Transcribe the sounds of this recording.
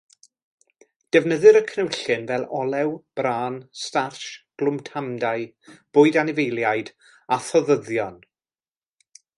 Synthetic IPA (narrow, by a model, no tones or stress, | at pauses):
d̥ɛvnəðɨɾəkʰnɛwɬɨnvɛlˠɔlˠɛwb̥raːnstarʃɡ̥lˠʊmtʰamdaɨ | b̥ʊːɨdanɪvejlˠjajd̥ | aθɔðəðjɔn